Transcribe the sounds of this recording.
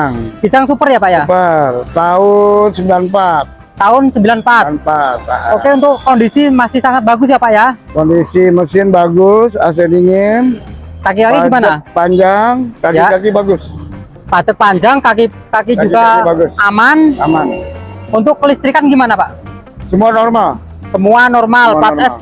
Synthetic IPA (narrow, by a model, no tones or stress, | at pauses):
ŋkit͡ʃaŋsupərjapaʔjapərt̪aʊnsəmbilanpat̪̚ːaʊnsəmbilanpatpat̪okeunt̪ʊkːondisimasɪhsaŋat̪̚baɡʊs̬japaʔjakɔndisiməsɪnbaɡʊsas̬ediŋɪnkakikakiɡimanapaɲd͡ʒaŋkakjiakakibaɡʊs | pat͡ʃək̚paɲd͡ʒaŋkak̬i | kakid͡ʒuɡabaɡʊsamanamanunt̪ʊkːəlist̪ɾikanɡimanapaʔ | səmuanɔrmal | səmuanɔrmalpaa